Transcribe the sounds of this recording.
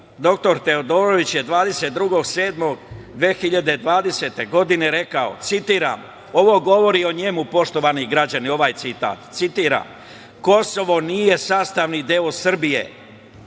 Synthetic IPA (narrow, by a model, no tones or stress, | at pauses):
d̪o̞k̚t̪o̞ɾt̪e̞od̪oːɾoʋit͡ɕje̞d̪ʋaːd̪e̞set̪̚d̪ɾuɡo̞ɡseːd̪mo̞ɡd̪ʋeːxiʎad̪e̞d̪ʋaːd̪e̞set̪e̞ɡo̞d̪ine̞ɾe̞kao̞̰t̪sit̪iːɾa̰m | o̞ʋo̞ɡo̞ʋo̞ɾio̞ɲemupo̞ʃt̪o̞ʋaniɡɾad͡ʑanio̞ʋaːjt̪sit̪a̰ːt̪t̪sit̪iːɾa̰m | ko̞so̞ʋo̞nije̞saːst̪aʋnid̪eosr̩bijḛ